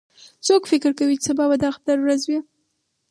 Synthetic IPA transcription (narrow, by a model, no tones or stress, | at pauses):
t͡sokfɪkɪɾkawit͡səbabad̪axat̪aɾɾazwi